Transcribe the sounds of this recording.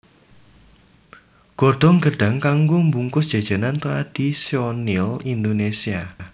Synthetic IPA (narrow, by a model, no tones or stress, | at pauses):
ɡ̥ɔrd̪̥ɔ̤ŋɡəɖ̥a̤ŋkaŋɡombuŋkʊsd̥ʒ̥a̤d̥d͡ʒ̥a̤nant̪ɾad̪̥isiɔnilind̪onesia